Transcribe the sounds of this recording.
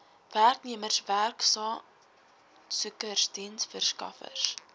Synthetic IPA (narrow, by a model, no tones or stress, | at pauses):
værkniəmərsværksɑː | sukərsdinsfərskɐ̰fə̰rs